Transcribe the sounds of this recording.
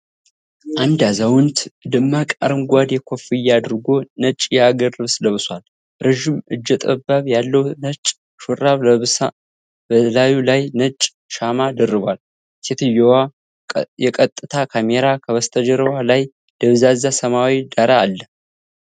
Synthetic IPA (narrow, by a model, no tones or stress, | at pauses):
ʔand̪azawʊnt̪d̪ɨmːakʼa̰ɾɨmɡʷad̪jɛkʷʰo̞fɨjːad̪ɨɾɡo̞nət͡ʃʼjaɡərɨβsləβsʷal | ɾeʒɪmɨd͡ʒːɛt̪ʼəbːaβjalːəwnət͡ʃʼ | ʃuɾaβsa | bəlajulajnət͡ʃʼ | ʃamad̪ərːɨβʷal | set̪ʰɨjowa | jɛkʼət̪ʼːɨt̪ʰakʰameɾakʰəβəst̪ʰəd͡ʒəɾəwalaj | d̪̥əβzazasəmawid̪aɾaːlːə